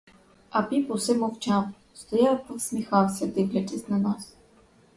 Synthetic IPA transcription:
apiposɛmoft͡ʃam | st̪ojat̪əfsmixalˠsɛd̪iɡlɛt̪ɛsnɐnas

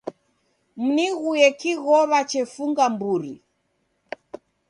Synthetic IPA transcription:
m̩niɣujɛkiɣɔβat͡ʃɛfuŋɡambuɾḭ

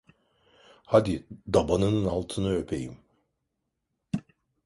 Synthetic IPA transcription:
had̪id̪abanɯnɯnalˠt̪ʰɯnɯø̞pʰe̞̰jḭm

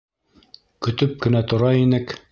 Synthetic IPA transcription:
kɵ̆t̪ɵp̚kɘ̆næt̪ŏɾɑinɘk

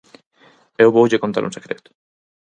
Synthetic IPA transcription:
ewbowd͡ʑekont̪a̰ɾṵnsekɾet̪o̥

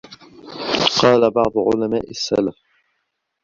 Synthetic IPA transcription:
qɑːlabɑʕd̪ˤʊʕʊ̰lama̰ːʔasːa̰laf

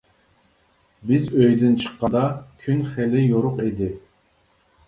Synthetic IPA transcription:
bɪzøjd̪ɪnt͡ʃʰə̥qːɑd̪ɑkʲʰynχɛlɪjoɾʊqid̪ɪ

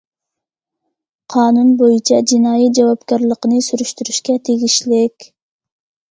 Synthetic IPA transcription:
qʰɑːnunbojut͡ʃʰɑd͡ʒinɑːjit̪̚d͡ʒɑwɑpkʲɑɾlˠəqənɨsyɾyʃt̪uɾyʃkʲɛt̪ʰeɡʲiʃlɪkʲ

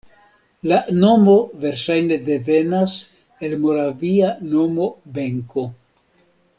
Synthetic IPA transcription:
lano̞mo̞ve̞ɾʃajne̞de̞ve̞nas | e̞lmo̞ɾaviano̞mo̞be̞ŋko̞

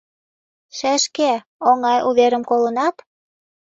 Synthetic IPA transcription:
ʃæʃke | oŋɑjʔuβeɾə̆mkolənɑt̪

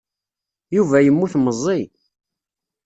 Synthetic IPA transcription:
juvæjəmːuθmːəzˤːi

